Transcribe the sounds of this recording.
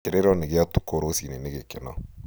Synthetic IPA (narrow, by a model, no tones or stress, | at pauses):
kɪɾeɾɔnɪɡɪatu̥koɾosinenɪɡekɪnɔ